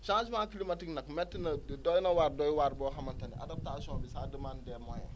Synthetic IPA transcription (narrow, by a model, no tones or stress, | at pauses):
ʃãːsumaːkilimɐtiknɐkmɛtːinɐdɔːjnɐwaːɾdɔjwaɾbɔːɦɐmɐntɐniʔa̰dap̚tasiɔ̃ːnbisaːdəmaːndɛmɔːjɛ̰